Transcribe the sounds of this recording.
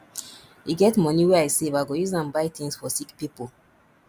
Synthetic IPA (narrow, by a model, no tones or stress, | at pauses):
iɡɛtmɔniwɛaɪsevaɪɡojuzãnbaɪt̪ĩŋsfɔsikpipol